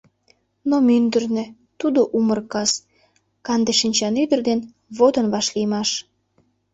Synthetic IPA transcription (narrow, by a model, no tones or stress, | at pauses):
nomynd̪ərnø̆ | t̪ud̪oʔumərkɑs | kɑnd̪eʃinʲt͡ɕɑnyd̪ərd̪en | βod̪ənβɑʃlijmɑʃ